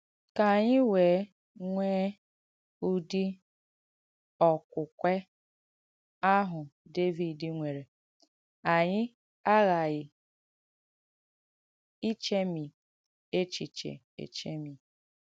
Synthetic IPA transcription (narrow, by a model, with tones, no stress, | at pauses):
ka˨ɲɪ˦weː˨˦ | ŋʷeː˦ | u˦di˦ | ɔ˨kʷʊ˨kʷe˦ | a˦ɦʊ˨de˦vi˨dɪ˨ŋʷe˨ɾe˨ | a˨ɲɪ˦ | a˦ɣa˨ɣɪ˨ | i˦t͡ʃe˦mi˨ | e˦t͡ʃi˨t͡ʃḛ˨ | ḛ˨t͡ʃe˦mi˨